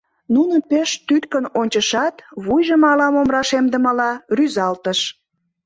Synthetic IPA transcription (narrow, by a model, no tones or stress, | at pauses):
nunəpeʃt̪yt̪kənonʲt͡ɕəʃɑt̪βujʒəmɑlɑmomrɑʃemd̪ə̆məlɑryzɑlt̪əʃ